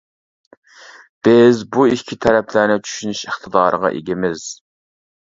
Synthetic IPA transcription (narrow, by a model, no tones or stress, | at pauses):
b̥ɪzbuikʲʰit̪ʰɛɾɛpʰlæɾnɪt͡ʃʰy̥ʃynyʃəχt̪ʰəd̪ɑːɾʔə̰ʁɑ̰ʔḛɡʲɪmɪz̥